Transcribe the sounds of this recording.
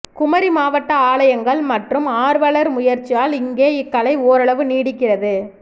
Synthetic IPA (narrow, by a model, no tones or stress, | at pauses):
kʊmɐɾimaːʋɐʈːɐaːɭɐjɐŋɡɐɭmɐʈrɯmaːɾʋɐɭɐɾmʊjɐɾt͡ʃːɪjaːlɪŋɡeːɪkːɐɭɐɪoːɾɐɭɐʋɯniːɽɪkːɪrɐðɯ